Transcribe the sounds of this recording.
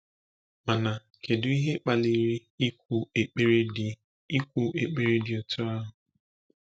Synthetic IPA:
ma˨na˨ | kʰe˨dʊ˨˦i˦ɦe˦k͡pa˨li˨ɾi˦u˨e˨k͡pe˦ɾ | i˦kʷu˨ʔe˨k͡pe˦ɾe˦dɪ˨o˨tʰʊ˦a˦ɦʊ˨

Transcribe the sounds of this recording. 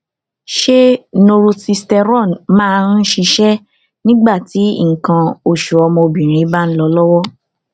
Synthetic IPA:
ʃe˦no˧ɾo˧ti˧stɛ˧ɾɔ̃˦˨nmãː˦˧n̩˦ʃi˧ʃɛ˦ | nĩ˦ɡ͡ba˦˨ti˨˦ŋ̩˨kã˧o˦˨ʃu˨ɔ˧mɔ̃˧o˧bĩ˨ɾ̃ĩ˨˦ba˦n̩˦lɔ˧lɔ˦wɔ˦

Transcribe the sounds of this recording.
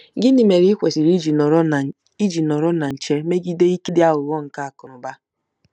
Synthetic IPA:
ɡɪ˦ni˨me˨ɾi˦i˦kʷe˨si˨ɾi˦d͡ʒ | i˦d͡ʒi˨nɔ˨ɾɔ˦na˨n̩˨t͡ʃe˦me˦ɡi˦de˦i˦ki˦dɪ˦a˦ɣʊ˨wɔ˦ŋ̩˨ka˦a˨kʊ˨ɾʊ˨ba˦

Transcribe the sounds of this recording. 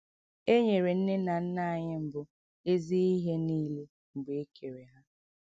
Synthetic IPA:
e˦ɲe˨ɾe˨n̩˦ne˦na˨n̩˦na˦a˨ɲɪ˦m̩˨bʊ˦ | e˦zi˦i˦ɦe˦niː˦le˦ | ŋ͡m̩˨ɡ͡be˨e˦kʰe˨ɾe˨ɦa˦

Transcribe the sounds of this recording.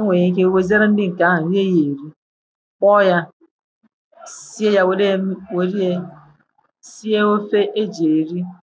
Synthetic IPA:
ŋʷe˨ɲe˦k̬e˦we˦ze˦ɾe˦n̩˦dɪ˦ŋ̩˨ka˨˦ɦa˨˦e˦je˨ɾi˦ | k͡pɔ˦ja˦ | si˦e˦ja˦wɾwe˨ɾi˦e˦ | si˦e˦o˦fe˦ʔe˦d͡ʒe˨ɾi˦

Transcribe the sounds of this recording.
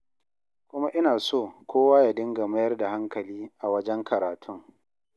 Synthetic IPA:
kʷʊ˦ma˦ʔɪ˦naː˨soː˦˨kʰʷoː˦waː˦ja˨dɪ˦ŋɡa˨mɐ˦jɐ˦rda˨ha˦ŋkɐ˨liː˦ʔa˨wɐ˦d͡ʒɛ˦ŋkʰɐ˨ɾaː˨tʰʊ˦ŋ

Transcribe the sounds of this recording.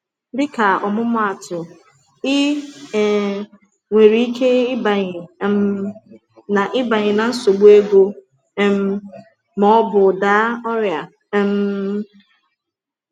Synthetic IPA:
dɪ˦ka˨ɔ˨mʊ˦mʊ˦a˨tʊ˨ | ɪ˦˨ | ŋʷe˨ɾi˦i˦kʰe˦ɪ˦ba˨ɲɪ˨˦m̩˦ | na˨ʔɪ˦ba˨ɲɪ˨na˨n̩˦so˨ɡ͡bu˦e˦ɡo˦ | m̩˦ | mɔ˦ɔ˦bʊ˨da˦ɔ˦ɾja˨˦ | m̩˦

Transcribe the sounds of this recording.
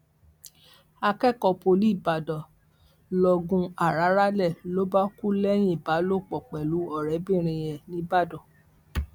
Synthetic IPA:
a˧kɛ˦˨kɔ˧po˧li˦˨ba˨dɔ˨ | lɔ˧ɡũ˧a˨ɾa˨˦ɾa˦lɛ˦˨lo˦ba˦ku˦lɛ˦j̃ĩ˦˨ba˨˦lo˦˨k͡pɔ˨k͡pɛ˨lu˨˦ɔ˦˨ɾɛ˨˦bĩ˦˨ɾ̃ĩ˧jɛ˨nĩ˦ba˦˨dɔ˨

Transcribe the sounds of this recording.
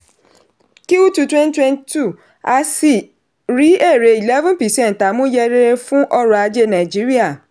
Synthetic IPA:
ki˦u˦tu˧twɛ̃˦n˦twɛ̃˦nti˦tu˦˨ | a˧si˦˨ | ɾi˨˦e˦˨ɾe˨˧i˨lɛ˦vũ˦pi˨sɛ̃˦˨n˨ta˨˦mũ˦jɛ˧ɾe˦ɾe˧fũ˦ʔɔ˦ɾɔ˧a˧d͡ʒe˧nã˨d͡ʒi˦ɾi˦a˦˨

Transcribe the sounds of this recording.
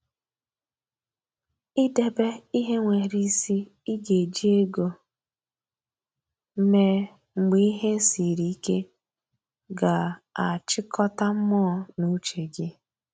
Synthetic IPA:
i˦de˨be˦i˦ɦe˦ŋʷe˨ɾi˨˦si˦ | i˦ɡe˨d͡ʒi˦e˦ɡo˨ | m̩˦me˦ | ŋ͡m̩˨ɡ͡bi˦i˦ɦe˦n˦si˨ɾi˨˦i˦ke˦ | ɡa˨a˨t͡ʃɪ˦kʰɔ˦ta˦m̩˦mɔː˦˨nu˦t͡ʃe˨ɡe˦

